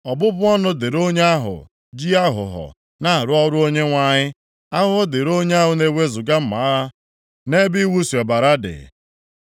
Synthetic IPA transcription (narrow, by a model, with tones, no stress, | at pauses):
ɔ˨bʊ˦bʊ˦ɔ˦nʊ˦dɪ˨ɾo˦ɲe˦a˦ɦʊ̰˨ | d͡ʒi˦a˦ɦʊ̰˨ɦɔ̰˨ | na˦a˨ɾʊ˦ɔ˦ɾʊ˦o˦ɲe˦ŋʷa˦ɲɪ˦ | a˦ɦʊ˦ɔ˦dɪ˨ɾo˦ɲ˦a˦ɦʊ˨ne˦we˦zʊ˨ɡa˦m̩˦ma˨˦a˦ | ne˦bi˦wu˦si˨ɔ˨ba˨ɾa˦dɪ̰˨